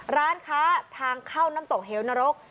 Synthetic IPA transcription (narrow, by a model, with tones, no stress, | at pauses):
ɾaː˦˥nkʰaː˦˥t̪ʰaː˧ŋkʰaː˥˩wnaː˥˩mt̪o˨˩k̚ɦeː˩˦wna˧ɾo˦˥k̚